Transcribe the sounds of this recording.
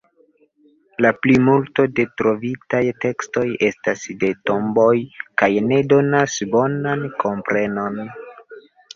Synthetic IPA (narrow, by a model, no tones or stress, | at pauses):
laplimulto̞de̞tɾo̞vitajte̞ksto̞je̞stasde̞to̞mbo̞jkajne̞do̞nasbo̞nanko̞mpɾe̞no̞n